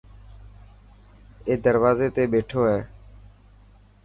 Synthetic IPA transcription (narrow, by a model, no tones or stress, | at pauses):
eːd̪əɾʋaːzeːt̪eːɓeːʈʰoːɦɛː